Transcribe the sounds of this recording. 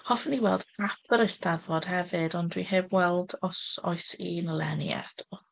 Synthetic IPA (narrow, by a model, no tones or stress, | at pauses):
hɔfniwɛlˠdap̚ʰəɾɪstʰaðvɔd̥hɛvɨdɔndwḭheːbwɛlˠdɔsɔ̰ɨsinəlˠɛnḭɛ̰dʰɔ